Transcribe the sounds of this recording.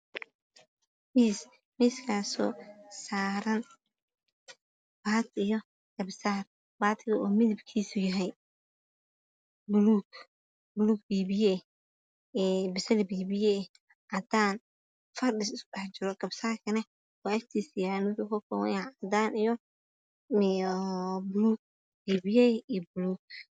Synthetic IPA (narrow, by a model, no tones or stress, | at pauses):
miːs | miːskʰaːsɔ̰ːsaːɾɐn | baːd̪ɪjɔ | ɡ̥ɐbsaːr | baːt̪ʰɪɣɐɔːmɪðɪbkʰiːsʊjɐɦɛj | bʊluɡ | bʊluːɡbiːbijɛ | bɪsɛlbiːbiɛ | ʕad̪ʰaːn | fɐrɗɪsɪskʊɗɐħt͡ʃɪɾɔɡ̥ɐbsaːrkʰɐnɛ | waːɛft̪ʰiːsjanʊdʊkʰɔlkʰɔw̰nʕad̪aːnʔijɔ | m | bluːɡ̚ | biːbiɛibʊluːɡ̚